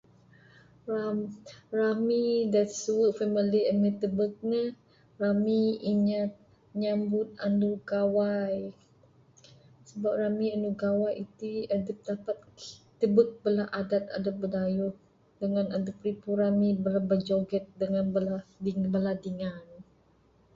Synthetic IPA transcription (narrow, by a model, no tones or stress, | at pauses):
raramidasuwəʔfəməliənət̪əbək̚nə | ramiiɲat̪̚ | ɲambʊt̪̚a̰nduɡawaj | səbap̚ramianduɡawajit̪iadəp̚dapat̪̚t̪əbək̚bəlahʔadat̪̚a̰dəbədajuh | dəŋanadəp̚ɾipuɾamibəlabəd͡ʒoɡɛt̪̚dəŋanbəladiŋbəladiŋan